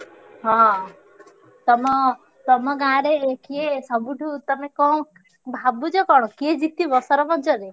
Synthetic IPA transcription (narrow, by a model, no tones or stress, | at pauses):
ɦɔ̃ | t̪ɔmɔ | t̪ɔmɔɡãɾekiesɔbuʈʰut̪ɔmekɔ̃ | bʱabud͡ʒɔkɔɽ̃ɔkied͡ʒik̚t̪ibɔsɔɾɔbɔnt͡ʃɔɾe